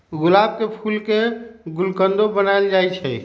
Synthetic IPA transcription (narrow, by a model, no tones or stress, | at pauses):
ɡulab̚kepʰulkeɡulkənd̪obənaeld͡ʒajt͡ʃʰɛ